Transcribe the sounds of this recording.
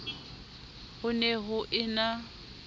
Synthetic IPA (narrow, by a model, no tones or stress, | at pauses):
hʊneɦʊʔɪna